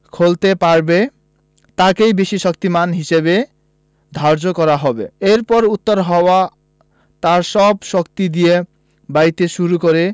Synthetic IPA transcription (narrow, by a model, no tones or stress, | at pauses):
kʰolt̪epaɾbe | t̪akejbeʃiʃɔkt̪imanɦiʃebe | d̪ʱɔɾd͡ʑokɔɾaɦɔbḛeɾpɔɾut̪ːoɾɦɔoa | t̪aɾʃɔbʃɔkt̪id̪ije | bajt̪eʃuɾukoɾe